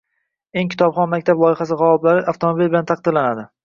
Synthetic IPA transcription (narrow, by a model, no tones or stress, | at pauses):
e̞ŋkʲʰɪ̥t̪ʰɒbχɒnmak̚ʲt̪ʰablˠɒɪχasɪʁawɒblaɾɪʔaft̪ʰomobilbɪlant̪ʰɑq̚d̪ɪɾlanad̪ɪ